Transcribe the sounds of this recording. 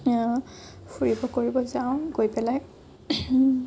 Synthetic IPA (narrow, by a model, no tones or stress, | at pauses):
fʰuɹibɔkoɹibɔzaʊ̃ɡojpɛlaj